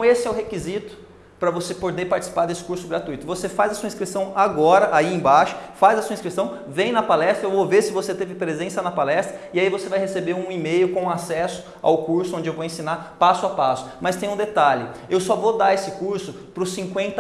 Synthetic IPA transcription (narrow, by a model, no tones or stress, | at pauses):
ɐ̃w̃esɪɛʊɦekizit̪ʊ̥ | pɾɐvosepod̪epaɾt͡ʃi̥si̥paɾd̪esɪ̥kuɾsʊɡɾat̪ujt̪ʊvosefajzɐsuɐĩskɾisɐ̃w̃aɡɔɾɐʔaiẽbaʃʊ̥fajzɐsuɐĩskɾisɐ̃w̃ | vẽj̃nɐpalɛst̪ɾɐewvoveɾsɪvoset̪evɪpɾezẽsɐnɐpalɛst̪ɾɐɪaivosevajhesebeɾũimejʊkõasɛsʊ̥ | a̰wkuɾsʊõnd͡ʒɪewvowẽsĩnapasʊapasʊ̥mɐst̪ẽj̃ũd̪et̪aʎɪewsɔvod̪aesɪkuɾsʊ | pɾʊsĩŋkwẽnt̪